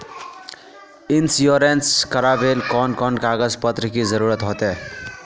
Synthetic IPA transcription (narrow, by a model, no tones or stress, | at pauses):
insjoɾenskʌɾabelkɔnkʌnkaɡʌd͡zpʌt̪ɾikid͡zʌɾuɾʌt̪ɦot̪e